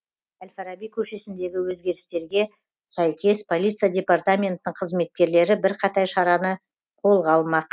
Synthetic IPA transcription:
alʲfaɾabijkʲʰɵʃe̞sɪnd̪e̞ɡʲɪwɵzɡʲe̞ɾɪst̪e̞ɾɡʲe̞ | sæjkʲe̞spʰo̞lʲijt̪sɨjadʲe̞part̪amʲe̞nt̪ɪnɪɴqʰəzme̞t̪̚kʲe̞ɾle̞ɾɪbɪɾqʰɑt̪ɑjʃɑɾɑnə | qʰo̞lˠʁɑlˠmɑq

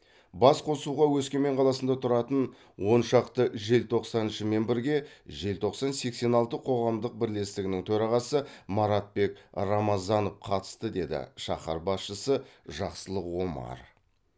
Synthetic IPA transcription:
bɑsqʰo̞suʁɑwɵskʲe̞me̞ɴqʰɑlˠɑsənd̪ɑt̪ʰʊɾɑt̪ən | wo̞nʃɑqt̪əʒe̞lt̪ʰo̞qsɑnənʃɪme̞nbɪɾɡʲe̞ʒe̞lt̪ʰo̞qsɑnse̞kse̞nɑlˠt̪əqʰo̞ʁɑmd̪əq̚bɪɾle̞st̪ɪɡʲɪnɪŋt̪ʰɵɾɑʁɑsəmɑɾɑt̪̚be̞kɾɑmɑzɑnofqʰɑt̪ə̥st̪əd̪e̞d̪ɪ̰ʃɑ̰χɑ̰ɾbɑsʃəsəʒɑqsəlˠəqwo̞mɑ̰ɾ

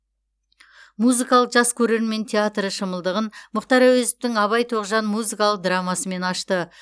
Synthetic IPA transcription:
muzɨkɑlˠəqʒ̥ɑskʲʰɵɾe̞ɾme̞nt̪ʲʰeat̪rəʃəməlˠd̪əʁənmʊqt̪ɑɾæwezɪp̚t̪ɪŋɑβɑjt̪ʰoʁʒɑnmuzɨkɑlˠəq̚d̪ɾɑmɑsəme̞nɑʃt̪ə

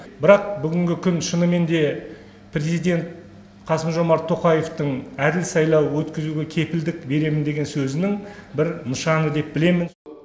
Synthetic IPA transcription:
bɪɾɑq̚bʏɡʲɪŋɡʲɪkʲʰʏnʃənəme̞nd̪e̞ | pʰɾʲe̞zijd̪ʲe̞nt̪̚ | qʰɑsəmʒo̞mɑɾt̪ʰːo̞qɑje̞ft̪əɴæd̪ɪlsɑjlˠɑwwɵt̪kʲɪzuɡʲe̞kʲʰe̞pɪld̪ɪkbe̞ɾe̞mɪnd̪e̞ɡʲe̞nsɵzɪnɪŋbɪɾnəʃɑnəd̪e̞p̚bɪle̞mɪn

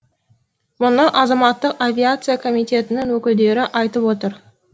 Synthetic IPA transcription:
mʊnəʔɑzɑmɑt̪ːəqavʲiat̪sɨjakʰo̞mijt̪ʲe̞t̪ɪnɪŋwɵkʲɪld̪e̞ɾɪʔɑjt̪əpwo̞t̪əɾ

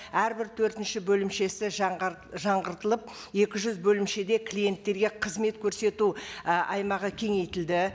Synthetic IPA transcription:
æɾbɪɾt̪ʰɵɾt̪ɪnʃɪbɵlɪmʃe̞sɪʒʒɑɴʁəɾt̪əlˠəp̚ | je̞kʲɪʒʏzbɵlɪmʃe̞d̪e̞kʲʰlʲije̞nt̪ːe̞ɾɡʲe̞qʰəzme̞t̪kʲʰɵɾse̞t̪uʔɑjmɑʁəkʲʰe̞ŋe̞jt̪ɪld̪ɪ

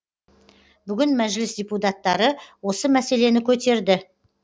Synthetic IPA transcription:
bʏɡʲɪnmæʒlɪsd̪ʲeput̪at̪ːɑɾəwo̞səmæse̞le̞nɪkʲʰɵt̪e̞ɾd̪ɪ

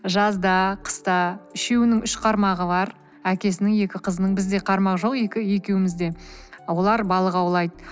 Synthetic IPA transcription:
ʒɑzd̪ɑqʰə̥st̪ɑɪʃe̞wɪnɪŋʏʃqʰɑɾmɑʁəbɑɾ | ækʲe̞s̬ɪnɪŋje̞kʲɪqʰəzənəɴbɪzd̪e̞qʰɑɾmɑqʒo̞qje̞kʲɪje̞kʲe̞wɪmɪzd̪e̞wo̞lˠɑɾbɑlˠəqɑwlˠɑjd̪

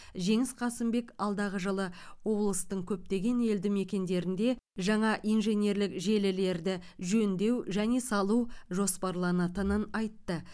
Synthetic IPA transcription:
ʒe̞ŋɪsqʰɑsɪmbe̞kɑlˠd̪ɑʁəʒəlˠəwo̞blˠəst̪əɴkʲʰɵp̚t̪e̞ɡʲe̞ne̞ld̪ɪme̞kʲe̞nd̪e̞ɾɪnd̪e̞ʒɑɴɑʔijnʒe̞nje̞ɾlɪkʒe̞lɪle̞ɾd̪ɪʒɵnd̪e̞wʒæne̞sɑlˠuwʒo̞spɑɾlˠɑnɑt̪ənənɑjt̪ːə

